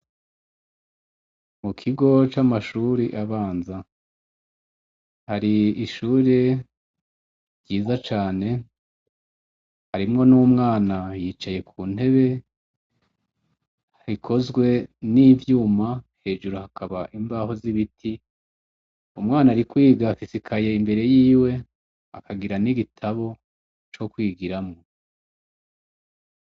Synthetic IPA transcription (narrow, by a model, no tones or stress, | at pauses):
mukʰiɡo̞t͡ʃamaʃuːɾiʔaβaːnza | haɾiiʃuːɾe | ɾɟiːzat͡ʃaːne̞ | haɾimŋo̞nuːmŋaːnajiːt͡ʃaje̞kʰuːn̥e̞βe̞ | hikʰo̞zɡwe̞nivjuːmahe̞ːʒuɾuhakaβaʔiɱvaːho̞ziβitʰi | umŋaːnaːɾikwiːɡafisikʰajeimbe̞ɾe̞jiːwe̞ | a̰kʰaɡiɾaniɡitʰaβo̞ | t͡ʃo̞kwiːɡiɾamŋo̞